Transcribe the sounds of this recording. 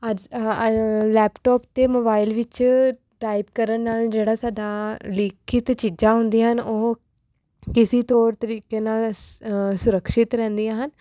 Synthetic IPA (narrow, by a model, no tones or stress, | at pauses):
əd͡ʒ | lɛːpʈɔːpt̪eːmoːbaːɪlʋɪt͡ʃ | ʈaːipkəɾənnaːld͡ʒeːɽaːsaːd̪aːlɪkʰɪt̪t͡ʃiːd͡ʒãːɦʊ̃nd̪iːɦənoː | kɪsiːt̪ɔːɾt̪əɾiːkeːnaːl | sʊɾəkʃɪt̪ɾɛ̃ːnd̪ijãːɦən